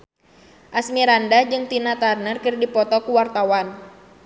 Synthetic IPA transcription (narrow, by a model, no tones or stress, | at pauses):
ʔasmiɾandad͡ʒɨŋt̪inat̪arnərkɨrdipɔt̪ɔkuwart̪awan